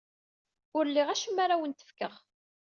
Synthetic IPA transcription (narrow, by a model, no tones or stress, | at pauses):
ʊɾlːiʁæʃəmːaɾawənt̪ə̥fkəʁ